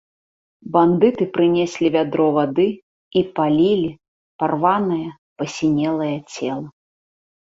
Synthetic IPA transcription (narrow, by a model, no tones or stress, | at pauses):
band̪ɨt̪ɨpɾɨnʲesʲlʲivʲad̪ɾɔvad̪ɨ | ipalʲilʲi | parvanɐjɐ | pɐsʲinʲɛlˠɐjɐt͡sʲɛlˠɐ